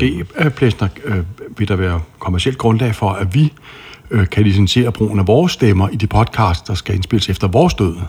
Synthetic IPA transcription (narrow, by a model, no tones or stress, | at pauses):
ɡ̥e̝̰ːpʰlesnɐʋe̝d̥ɑ̈ʋæːɐkʰomæɐiel̰d̥̚ɡ̥ʁɔ̽nlɛ̰ɪfɒ̽æʋi | kʰælis̬ense̝̰ːɐb̥ʁo̝̰ːn̩æʋɒːsːd̥emɐʔid̥ipʰɒ̽d̥kʰɑ̰̈ːsd̥ɑ̈sɡ̥æe̝nsb̥e̝l̰əsefd̥ɐʋɒːsd̥øð̰ˠ